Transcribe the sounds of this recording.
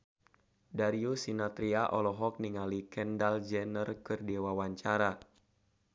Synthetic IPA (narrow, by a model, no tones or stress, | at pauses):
daɾiusinat̪ɾiaʔɔ̰lɔɦɔk̚niŋalikɛndald͡ʒɛnərkɨrdewawaɲt͡ʃaɾa